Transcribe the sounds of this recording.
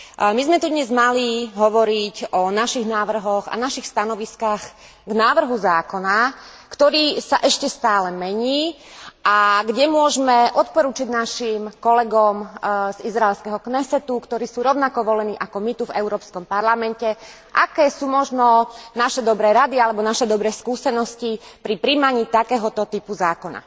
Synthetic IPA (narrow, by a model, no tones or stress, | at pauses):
mizmɛt̪ud̪ɲɛzmaliɦɔʋɔɾicɔnaʃiɣnaːʋr̩ɦɔɣa̰naʃixst̪anɔʋiskaːx | ɡnaːʋr̩ɦuzaːkɔna | kt̪ɔɾiːsaʔɛʃcɛst̪aːlɛmɛɲiː | ʔaɡɟɛmʊɔʒmɛʔɔt̪̚pɔɾuːt͡ʃiɟnaʃimkɔlɛɡɔmz̥izɾaɛlskɛɦɔknɛsɛt̪ukt̪ɔɾiːsuːɾɔʊnakɔʋɔlɛniːʔakɔmit̪uvɛʊɾɔːpskɔmpaɾlamɛncɛ | ʔakɛːsuːmɔʒnɔnaʃɛd̪ɔbɾɛːɾad̪ialɛbɔnaʃɛd̪ɔbɾɛːskuːsɛnɔscipɾipɾimaɲiːt̪akɛːɦɔt̪ɔt̪ipuzaːkɔna̰